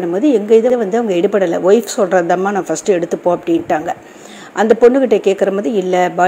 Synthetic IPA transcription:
nɯmoːðiɛŋɡɐɪðɐʋɐnd̪ɯɐʋɐŋɡɐɛɽɯpɐɽɐlɐ̰ʋɔɪfsɔlɾɐðaːmaːnãːfɐsʈɯɛɽɯt̪ːɯpːoːɐpːɐɽɪnʈaːŋɡɐ | ʔɐnd̪ɐpɔɳːɯkɪʈːekeːʈkɐɾɐmoːðiɪlːɐbaː

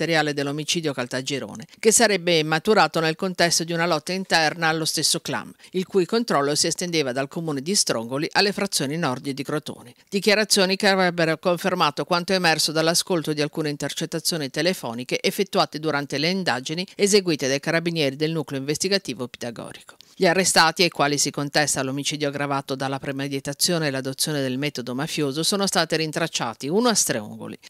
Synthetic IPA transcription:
t̪eɾjaːled̪elːomit͡ʃiːd̪jokalt̪ad͡ʒeɾo̰ːnekesːaɾɛbːemat̪uɾaːt̪onelkont̪ɛst̪od̪iunalɔt̪ːaint̪ɛrnaːlːost̪esːokla̰milkuːjkont̪ɾɔlːosiest̪end̪eːvad̪alkomuːned̪ist̪ɾo̰ŋɡoliʔalːefɾat̪sːjoːninɔrd̪id̪ikɾot̪o̰ːned̪̥ikjaɾat̪sːjoːnikeavɾɛbːeɾokoɱfermaːt̪okwant̪oemɛrsod̪alːaskolt̪od̪ialkuːneint̪ert͡ʃet̪ːat̪sːjoːnit̪elefɔ̰ːnikeʔefːet̪ːuaːt̪ed̪uɾant̪eleind̪aːd͡ʒiniezeɡwiːt̪ed̪ajkaɾabinjɛːɾid̪elnukleoiɱvest̪iɡat̪iːvope̥d̪aɡɔ̰ːd͡ʒiko̥ʎiarːest̪aːt̪iajkwaːlisikont̪ɛst̪alomit͡ʃiːd̪joɡɾavaːt̪od̪alːapɾemed̪it̪at̪sːjoːneːlad̪ot̪sːjoːned̪elmɛːt̪od̪omafjoːzosoːnost̪aːt̪eɾint̪ɾat͡ʃːa̰ːt̪iunoast̪ɾeṵŋɡo̰lḭ

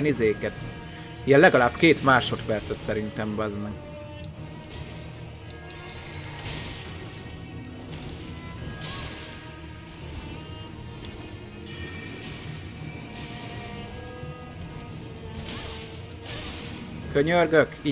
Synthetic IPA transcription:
nizeːkɛt̪ | jɛllːɛɡɒlaːbkeːt̪maːʃo̞t̪pɛrt̪sɛt̪sɛɾint̪ɛmbɒzni | køɲørɡøki

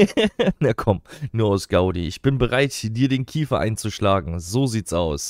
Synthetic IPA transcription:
nakʰɔmnuːɐaʊsɡ̥aʊdḭʔɪçb̥ɪnbəʁaɪthiːdiːɐdeːnkʰiːfɐʔa̰ɪnt͡suʃlaːɡŋ̩zoːziːtsʔa̰ʊs

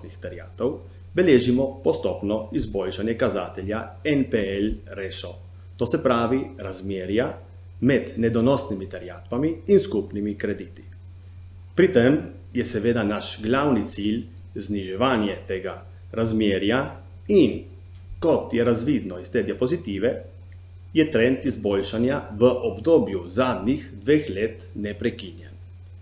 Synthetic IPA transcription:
nixt̪ɛɾjaːt̪ɔw | bɛleːʒimɔpɔst̪ɔpnɔizbɔlʃanjɛkazaːt̪ɛlja | ɛnpeɛlɾɛsɔ | t̪oːsɛpɾaːʋiɾazmjeːɾja | mɛd̪nɛd̪ɔnɔst̪nimit̪ɛɾjaːt̪pamiːnskupnimikɾɛd̪iːt̪i̥ | pɾit̪em | jɛsɛʋeːd̪anaʃɡlawnit̪sil | zniʒɛʋaːnjɛt̪eːɡa | ɾazmjeːɾja | in | kɔt̪jɛɾazʋiːd̪nɔist̪eːd̪jɛpɔzit̪iːʋɛ | jɛt̪ɾɛnt̪izbolʃanjaʋəʔɔbd̪oːbjuzaːd̪nixd̪ʋeːxleːt̪nɛpɾɛkinjɛn

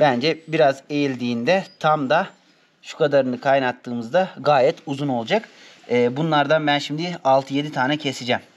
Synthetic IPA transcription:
bænd͡ʒɛbiɾaze̞jilʲd̪iːnd̪ɛt̪ʰamd̪a | ʃu̥kʰad̪aɾɯnɯkʰajnat̪ːɯːmɯzd̪aɡaːjɛt̪uzuno̞lˠd͡ʒakː | bunlˠaɾd̪anbænʃimd̪ialˠt̪ʰɯje̞d̪it̪ʰaːnɛcʰe̞sid͡ʒɛm

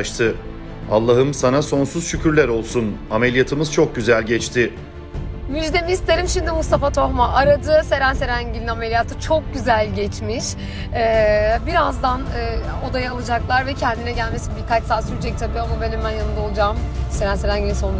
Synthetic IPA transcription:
ʃt̪ʰɯ | alˠːaɦɯmsanaso̞nsuz̥ʃycʰyɾlʲæɾo̞lˠsunamelʲijat̪ʰɯmɯz̥t͡ʃʰo̞k̚ɟyzælʲɟɛt͡ʃt̪ʰɪ | myd͡ʒd̪emist̪ʰeɾimʃimd̪imust̪afat̪ʰo̞xmaʔaɾad̪ɯse̞ɾænse̞ɾæɲɟilʲinamelʲijat̪ʰɯt͡ʃʰok̚ɟyzælʲɟɛt͡ʃmiʃ | ɛːbiɾazd̪anːo̞d̪ajaalˠɯd͡ʒaklˠaɾvɛcʰɛnd̪inɛɟælʲme̞sinbiɾkat͡ʃsaːsyɾt͡ʃʰɛc̚t̪ʰabɯjomubelʲimːænjanɯnd̪ao̞lˠud͡ʒamse̞ɾænseɾæɲɟilʲinso̞n

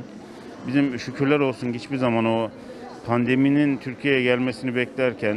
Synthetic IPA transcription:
bizimʃycʰyɾlʲæɾo̞lˠsunɟit͡ʃbiɾzamano | pʰand̪e̞minint̪ʰyɾcʰijejɛɟælʲmɛsinibɛclʲæɾcʰæn

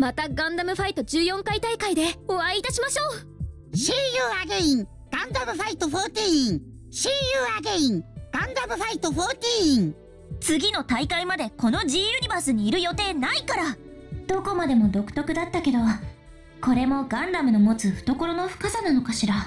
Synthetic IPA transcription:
mat̪aɡãnd̪amɯ̟ɸait̪o̞d͡ʑɨːjõ̞ŋkait̪aikaid̪e̞oβaiːt̪aɕimaɕo̞ː | ɕiːjɯːaɡeĩŋ | ɡ̥ãnd̪amɯ̟ɸait̪oɸo̞t̪ʲiĩŋ | ɕiːjɯːaɡeĩŋɡ̥ãnd̪amɯ̟ɸait̪o̞ɸo̞ːt̪ʲiĩŋ | t͡sɨɡʲino̞t̪aikaimad̪e̞ko̞no̞ʑiːjɯ̟ɲ̟ibasɨɲ̟iːɾɯ̟jo̞t̪e̞ːnaikaɾa | d̪̥o̞ko̞mad̪e̞mo̞d̪o̞kɯ̟̥t̪o̞kɯ̟d̪at̪ːake̞d̪o̞βa | ko̞ɾe̞mo̞ɡãnd̪amɯ̟nomo̞t͡sɨɸɯ̟̥t̪o̞ko̞ɾo̞no̞ɸɯ̥kasanano̞kaɕiɾa

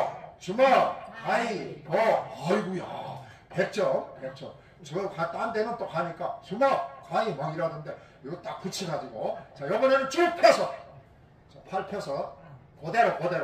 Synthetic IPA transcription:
t͡ɕumʌkaɲimʌaɭɡuja̰ | pek̚t͡ɕ͈ʌmpek̚t͡ɕ͈ʌm | t͡ɕʌkat͈andenɯnt͈okaɲik͈at͡ɕumʌkaɲimʌɡiɾadɯnde̞ | iɡʌt͈ak̚k͈ut͡ɕʰiɡad͡ʑiɡot͡ɕajʌbʌnenɯnt͡ɕ͈uɭpʰjʌsʰʌ | t͡ɕapʰaɭpʰjʌsʰʌ | kodeɾokodeɾ

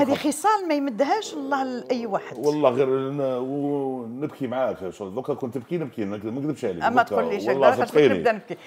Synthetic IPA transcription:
hæd̪ixəsˤɑlmæjməd̪ːhæʃwɑlˤːɑhlʔæjːwaħəd̪wɑlˤːɑhɣiɾwnəbkimʕafiʃob̪ukːækʊnt̪əb̚kinəb̚kikmækd̪əbʃʕaliæmːæt̪ʊlːiʃwællːɑfqinəḭd̪ænəb̚ki

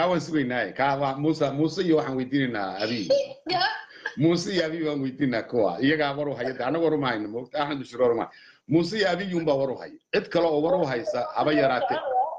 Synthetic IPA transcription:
kaːwaːnsʊɣɛjnaːjɛkʰaːwamuːsɐmuːsɛɪjɔwɑħɑːnwɛjd̪iːnɛjna̰ːɐβi | muːsɛjɔɐβijβaːnwɛjd̪iːnːaːkʰɔwa̰ːɪjɐɣaːwɐɾʊɦɐjɐd̪ɛːɐnːɐɣwɾʊmɐhɐjnɐmɔkt̪ʰaħand̪ʊʃɪɾɾʊmɐ̰hj | muːsɛjɔɐβɪjuːmbaːwɐɾʊɦɐ̰jɐʕɪd̪kʰɐlɔɔːwɐɾʊɦɐjsɐhɐβɐjɐɾaːt̪ʰɛ

